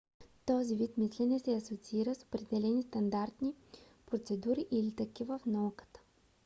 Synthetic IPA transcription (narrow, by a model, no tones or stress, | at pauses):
t̪ɔzivit̪mislʲɛnʲɛsɛɐsot̪siiɾəso̥pɾɛd̪ɛlɛnist̪ɐnd̪aɾt̪ni | pɾot̪sɛd̪uɾiʔilit̪əkivəfnɐukə̥t̪ə̥